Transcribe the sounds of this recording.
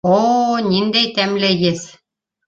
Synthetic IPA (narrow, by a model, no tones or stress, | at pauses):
onind̪æjt̪æmlæɡɘs